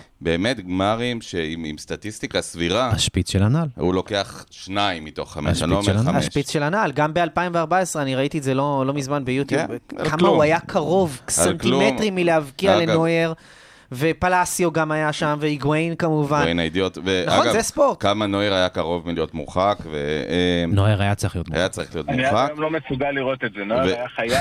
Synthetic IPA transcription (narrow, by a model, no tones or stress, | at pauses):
be̞ːmet̪ɡmaʁimʃeimḭmst̪at̪ist̪ikasviʁahaʃpit͡sʃelanalhṵlo̞keaχʃnaimːit̪o̞̰χːa̰meʃanomeaaʃʃpit͡sʃelanalɡambealpaimveaʁbaesʁeaniʁait̪iezelo̞lo̞mizmanbejut̪jubkamauajakʰaʁo̞vsenktilmeʁimilehavkiaaleno̞jeʁ | ve̞palasjoɡamajaʃamveiɡwejnkamuvannajdiot̪venaanɡazespoʁtkamanojeʁajakaʁo̞vmilijot̪mṵχakvḛnoeʁajat͡saʁiχliot̪a̰jat͡saʁiχlijo̞tauniχakjomlomesuɡalːiʁot̪etzenoevejaχaja